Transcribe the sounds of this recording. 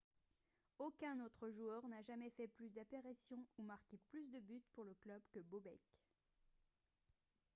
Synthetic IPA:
okʲɛ̃not̪χəʒuœʁnaʒamɛfɛplysd̪apeʁisjɔ̃umaʁkʲeplys̬d̪əbyt̪puʁləklœbkəbobɛk

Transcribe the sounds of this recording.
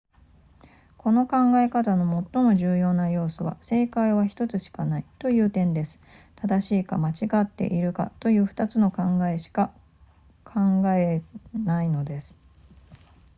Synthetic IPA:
kʰo̞no̞kãŋɡae̞kat̪ano̞mo̞t̪ːo̞mo̞ʑɨːjo̞ːnajo̞ːsoβ̞a̰se̞ːkaiβaçi̥t̪o̞t͡sɨɕi̥kanait̪o̞jɯ̟ːt̪ẽ̞nd̪e̞sɨ̥ | t̪ad̪aɕiːka̰mat͡ɕiɡat̪ːe̞̰ʔiɾɯ̟ka̰t̪o̞jɯ̟ːɸɯ̟̥t̪at͡sɨno̞kãŋɡae̞ɕi̥ka | kʰãŋɡaenaino̞d̪e̞sɨ̥

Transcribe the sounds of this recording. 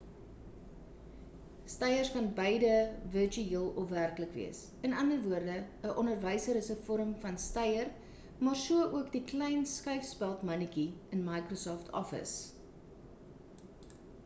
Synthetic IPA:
stɐjərskɐnbəjdəvərt͡ʃyiːəlˠɔfværkləkvḭəs | ənɐndərvuərdəəʔɔnərvəjsəɾəsəfɔɾəmfɐnstɐjər | mɑːrsuəʔuəkdiklɛjnskəɥfspælˠtmɐnikiənmɐjkrosɔftʰɔ̰fə̰s

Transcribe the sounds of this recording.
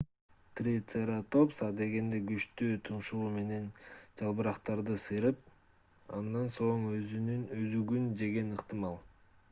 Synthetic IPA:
t̪rit̪eɾat̪o̞psɑd̪e̞ɡe̞nd̪e̞ɡyt͡ʃt̪yːt̪ʰunʃuume̞ne̞nd͡ʒɑlˠbɯɾɑqt̪ɑɾd̪ɯsɯjɾɯp̚ | ɑ̰nd̪ɑnso̞ɴøyyøzyɡynd͡ʒe̞ɡe̞nɯqt̪ɨmɑlˠ

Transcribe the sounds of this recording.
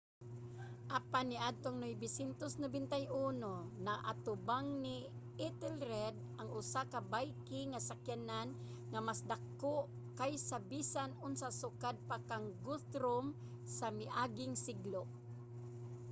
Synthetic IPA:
ʔapanɪʔad̪̚t̪oŋnojbɪsɛnt̪osnobɛnt̪ajʔunonaʔa̰t̪ʊbaŋni | ɛt̪ɛlɾɛd̪̚ʔaŋʊsakabajkɪŋasakjanan | ŋamasd̪akːoʔ | kajsabisanʊnsasʊkad̪̚pakaŋɡʊθɾom | samɪʔaɡɪŋsɪɡloʔ

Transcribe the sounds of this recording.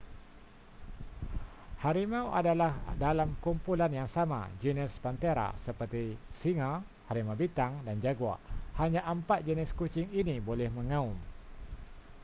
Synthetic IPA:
haɾimãwʔa̰dalahdalamkumpulanjaŋsamã̰d͡ʒunɛspant̪eɾa̰səpərt̪isiŋa | haɾimabit̪aŋdand͡ʒaɡua̰ʔhaɲãʔəmpat̪̚d͡ʒənɪskut͡ʃɪŋinibolɛhmə̃ŋãum

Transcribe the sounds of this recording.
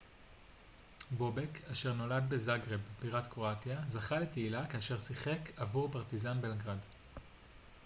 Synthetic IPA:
bo̞bekʰaʃeʁno̞lad̪be̞zaɡʁe̞bbiʁat̪kʁo̞atjazaχale̞teilakaːʃe̞ʁsiχe̞kʰavuʁpaʁt̪izanbelɡʁad

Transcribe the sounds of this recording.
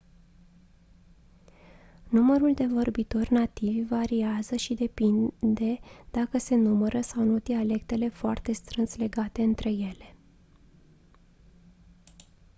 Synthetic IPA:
numəɾuld̪e̞vo̞rbit̪o̞rʲnat̪ivʲvaɾiazəʃid̪e̞pind̪e̞d̪̥akəse̞numəɾəsawnot̪iale̞k̚t̪e̞le̞foa̰rt̪e̞st̪ɾɨnsle̞ɡat̪e̞ɨnt̪ɾe̞je̞le̞̥

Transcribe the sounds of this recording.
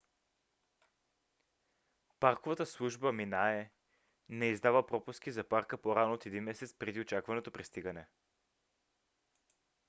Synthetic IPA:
paɾkovɐt̪əslˠuʒbəminaɛ | nɛizd̪avəpɾɔpusk̟ʲizɐpaɾkəpoɾanoot̪ɛd̪inmɛsɛt̪spɾɛd̪iot͡ʃakvɐnot̪opɾɛst̪iɡɐnɛ

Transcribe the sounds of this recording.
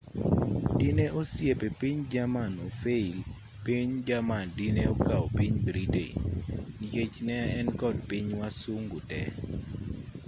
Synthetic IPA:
dineʔosjepepiɲd͡ʒamanofeil | piɲd͡ʒamandineokaopiɲbɾitḛniket͡ʃnɛɛnkɔd̚piɲwasuŋɡutɛ̰

